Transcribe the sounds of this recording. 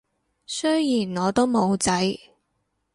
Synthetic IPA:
sɵ˥jjiː˨˩nŋɔː˨˧t̪o˥wmo˨˧wt͡sɐ˨˥j

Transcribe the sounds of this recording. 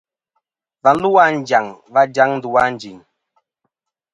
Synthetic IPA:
va˨n̩˦lu˦wa˦n˦d͡ʒa˨ŋva˦d͡ʒa˦ŋn̩˦du˨wa˦n̩˨˦d͡ʒi˨ŋ

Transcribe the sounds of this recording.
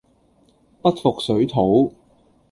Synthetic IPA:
pɐ˥t̚fʊ˨k̚sɵ˨˥ɥt̪ʰo˨˥w

